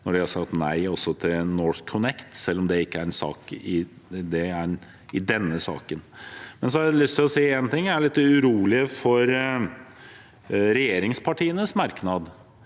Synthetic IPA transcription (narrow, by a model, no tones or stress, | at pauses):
nɔɖɛhɑsɑɡt̪næɪɔsːɔt̪ʰɪlnɔɾθkʰɔnɛkt̪sɛlːɔmd̪ɛɪkːəæɾɛnsɑ̰ːkɪ | d̪ɛæ | ɪd̪ɛnːəsɑ̰ːkənmɛnsɔɑɾælʏst̪ʰɪlɔsiːeːnt̪ʰɪŋːæɭɪt̪ːʉɾuːlɪəfɔɾ | ɾɛjeːɾɪŋspʰɑʈʰiːənəsmɑɾknɑd̪